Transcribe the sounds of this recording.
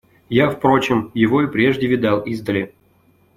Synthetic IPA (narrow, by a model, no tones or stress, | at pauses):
jafpɾo̞t͡ɕɪmjɪvo̞ipɾʲeʐdʲɪvʲɪd̪alˠizd̪əlʲɪ